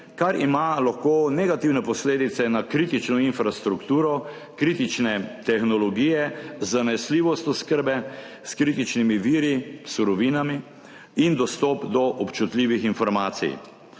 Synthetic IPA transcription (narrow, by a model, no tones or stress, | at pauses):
kaɾimalaxkoːnɛɡat̪iːwnɛpɔsleːd̪it̪sɛnakɾiːt̪it͡ʃnɔinfɾast̪ɾukt̪uːɾɔ | kɾiːt̪it͡ʃnɛt̪ɛxnɔlɔɡiːjɛzanɛsliːʋɔst̪ɔskəɾbɛ | skɾiːt̪it͡ʃnimiʋiːɾisuɾɔʋiːnami | ind̪ɔst̪ɔpd̪ɔʔɔpt͡ʃut̪liːʋixinfɔɾmaːt̪sḭj